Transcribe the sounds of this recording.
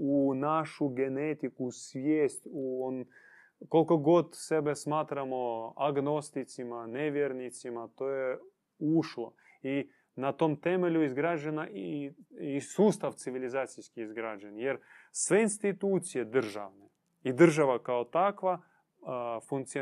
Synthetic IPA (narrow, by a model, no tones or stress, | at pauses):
unaʂuɡɛnɛt̪ʲɪkusʲvʲjesʲtʲuon | kolʲkoɡot̪sʲɛbɛsmat̪ɾɐmoɐɡnost̪ɪt̪sʲɪmɐnʲɛvʲernʲɪt̪sʲɪmɐt̪ojɛ | uʂlˠo | i | nɐt̪omt̪ɛmɛlʲʊɪzɡɾaʒənɐ | isust̪aft̪sɪvʲɪlʲɪzat̪sijskʲɪɪzɡɾaʒɐnjeɾsvɛɪnsʲt̪ʲɪt̪ut̪sɪjɛd̪ərʒavnɨ | id̪ərʒɐvɐkaot̪akva | funk̪̚sɨ